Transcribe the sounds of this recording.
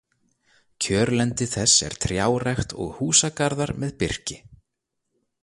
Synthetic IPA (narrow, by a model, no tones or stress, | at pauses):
cʰœːɾlɛnt̪ɪθɛsːɛ̰ɾ̥t̪ʰɾjaːwrajxt̪ɔ̰ɣhuːsakaɾðaɾmɛðpɪr̥cɪ